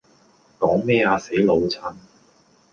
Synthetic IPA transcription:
kɔː˨˥ŋmɛː˥aː˧se˨˥jlo˨˧wt͡sʰɐ˨˧˥n

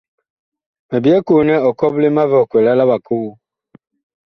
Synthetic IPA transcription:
me˨bi˨˦ɛ˦ko˨nɛ˦ɔ˨kɔ˦ble˦ma˦vɔ˨kʷe˨la˦la˦ba˨kʰo˦wu˦

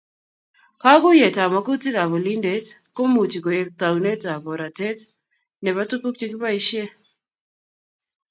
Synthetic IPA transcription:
ka˦kʊ˦je˨ta˨ma˨ku˦ti˦ka˨βɔ˨li˦nde˨˦t | ko˦mu˨t͡ʃi˨ko˨je˨ta˨wne˦ta˨bɔ˨ɾa˨tɛ˦t | nɛ˨βa˦tu˦ku˦kt͡ʃi˦ki˦pa˦i˦ʃje˦

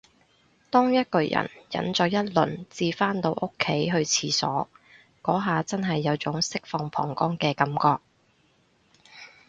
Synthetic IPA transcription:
t̪ɔː˥ŋjɐ˥t̚kɵ˧ɥjɐ̰˨˩njɐ̰˨˥nt͡sɔː˨˧jɐ˥t̚lɵ̰˨˩nt͡siː˧faː˥nt̪o˧wʔo˥kʰːe˨˥jɦɵ˧ɥt͡sʰiː˨˧sɔ̰ː˨˥ | kɔː˨˥ɦaː˨t͡sɐ˥nɦɐ˨jːɐ˨˧wt͡sʊ˨˥ŋsɪ˥k̚fɔː˨ŋpʰɔ̰ː˨˩ŋkɔː˥ŋkɛː˧kɐ˨˥mkɔː˧k̚

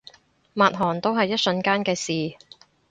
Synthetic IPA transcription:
maː˨t̚ɦɔː˨˩nt̪o˥wɦɐ˨jːɐ˥t̚sɵ˧nkaː˥nkɛː˧siː˨

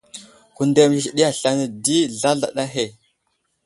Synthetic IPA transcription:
ku˨nde˨mi˨ɬɗi˦a˨ɬa˦na˨di˦ɮa˦ɮa̰˨ɗa˦ɦe˨

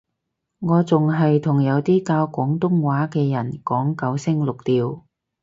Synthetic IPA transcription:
ŋɔː˨˧t͡sʊ˨ŋɦɐ˨jt̪ʰʊ˨˩ŋjɐ˨˧wt̪iː˥kaː˧wkʷɔː˨˥ŋt̪ʊ˥ŋwaː˨˥kɛː˧jɐ˨˩nkɔː˨˥ŋkɐ˨˧˥wsɪ˥ŋlʊ˨k̚t̪iː˨˧w

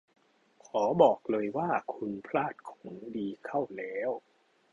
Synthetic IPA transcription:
kʰɔː˩˦bɔː˨˩k̚lɤː˧jwaː˥˩kʰu˧npʰlaː˥˩t̪̚kʰo̥˩˦ŋdiː˧kʰa˥˩wlɛː˦˥w

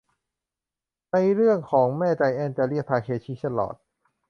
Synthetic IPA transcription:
na˧jɾɯ˥˩əŋkʰɔː˩˦ŋmɛː˥˩t͡ɕa˧jʔɛː˧nt͡ɕ̪ɛː˧li˥˩əpʰaː˧kʰeː˧t͡ɕʰiː˧˥˩t̪a˥˩lɔ̰ː˨˩t̪̚

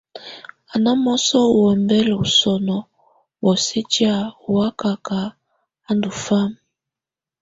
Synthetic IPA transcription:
a˨na˦mɔ˦sɔ˦˨wɛ˨mbɛ˦lu˨sɔ˨nɔ˨ | wɔ˨si˦t͡ʃi˦a˦u˨wa˦ka˨ka˨˦ | a˦ndu˨fa˦m

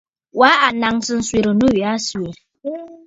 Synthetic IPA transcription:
wa˨˦a˨na˨ŋsɨ˨n̩˨swe˨ɾo˨nu˦wi˨a˦swe˨ɾ

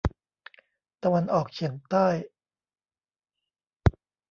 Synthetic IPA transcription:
t̪a˧wa˧nʔɔː˨˩k̚t͡ɕʰi˨˩˦əŋt̪aː˥˩j

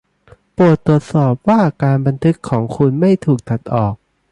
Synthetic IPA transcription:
pu˨˩ət̪ːɾu˨˩ət̪̚sɔː˨˩p̚waː˥˩kaː˧nba˧nt̪ʰɯ˦˥kʰːɔː˩˦ŋkʰu˧nma˥˩jt̪ʰuː˨˩k̚t̪ʰa˨˩t̪̚ʔɔː˨˩k̚

